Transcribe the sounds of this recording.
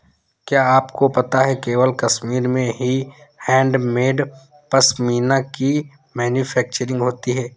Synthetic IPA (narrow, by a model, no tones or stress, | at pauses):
kjaːaːpkopɐt̪aɦɛkeːʋəlkɐʃmiːɾmẽɦihɛ̃ːɳɖmeːɖ | pɐsmiːnaki | mɛːnjufʰɛːk̚t͡ʃəɾɪ̃ŋɡɦoːt̪iɦɛː